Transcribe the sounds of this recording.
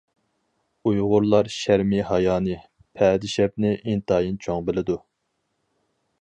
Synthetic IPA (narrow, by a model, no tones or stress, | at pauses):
ujʁʊɾlˠɑɾʃæɾmihɑjɑːnɨ | pʰɛd̪ɪʃɛp̚nɪʔint̪ʰɑːjint͡ʃʰoŋbɪlɪd̪u